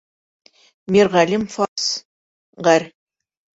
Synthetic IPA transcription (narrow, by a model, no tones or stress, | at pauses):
miɾʁælʲimfɑs | ʁæɾʲ